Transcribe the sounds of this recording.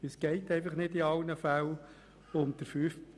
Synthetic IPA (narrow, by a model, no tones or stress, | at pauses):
əsɡ̥ɛɪt̪ɛɪfəχnɪdiɑlnəfæl | ʊmd̪̥əɾfyf